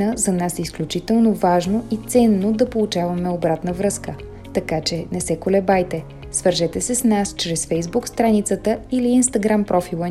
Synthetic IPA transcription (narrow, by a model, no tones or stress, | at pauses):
əzɐnasɛisklʲut͡ʃit̪ɛlˠnovaʒnoit̪sɛnːod̪ɐpolˠut͡ʃavɐmɛobɾat̪nəvɾɤskə | t̪ɐkat͡ʃɛnɛsɛkolɛbajt̪ɛ | svəɾʒɛt̪ɛsɛsnast͡ʃɾɛsfɛjzbukst̪ɾanit̪sət̪əiliːnst̪ɐɡɾampɾɔfilˠə